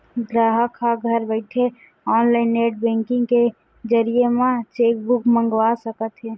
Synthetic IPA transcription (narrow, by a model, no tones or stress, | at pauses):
ɡɾaːɦəkʰaɡʱəɾbəɪʈʰe | ɔːnlaɪnːeʈ̚bɛ̃ŋkĩŋɡke | d͡ʒəɾijemãt͡ʃek̚bukmə̃ŋɡʋasəkət̪ɦɛ